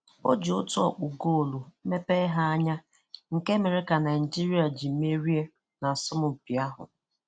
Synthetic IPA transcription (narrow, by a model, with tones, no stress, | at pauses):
o̰˦d͡ʒo˦tu˦ɔ̰˨k͡pʊ˨ɡo˦o˨lu˨˦me˦pe˦ɪ˦ɦa˦a˦ɲa˦ | ŋ̩˨ke˦me˨ɾɪ˦ka˨na˨ɪ˨n˨d͡ʒi˦ɾi˦a˨d͡ʒi˨m̩˦e˦ɾi˦e˦ | na˨sʊ˦mʊ˨pi˨a˦ɦʊ̰˨